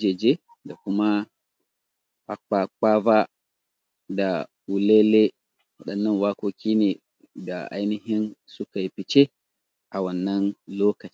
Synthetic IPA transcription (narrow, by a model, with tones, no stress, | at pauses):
d͡ʒeː˨d͡ʒe˦ | da˨kʊ˦ma˦ | ɸa˦k͡paː˦k͡paː˦ba˦ | da˨ | u˨leː˦le˦ | wɐ˦˨ɗɐ˨nːɐ˦nwaː˦koː˦kʲiː˦neː˨ | da̰˨ʔa̰˦jnɪ˨ɦɪ˦nsʊ˦ka˨ji˨pɪ˨t͡ʃe˦ | ʔa˨wɐ˨nːɐ˦nloː˦kɐ˨t͡ʃː